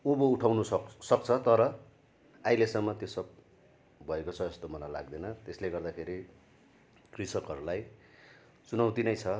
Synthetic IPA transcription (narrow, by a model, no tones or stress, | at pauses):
ubouʈʰawnuʌsʌk̚t͡sʰʌt̪ʌɾʌ | ajlesʌmːʌt̪josʌb̚ | bʱʌekot͡sʰʌest̪omʌlala̰ɡ̚d̪enʌt̪esleɡʌrd̪akʰeɾi | krisʌkʌɾulaj | t͡sunaw̃t̪inʌjt͡sʰʌ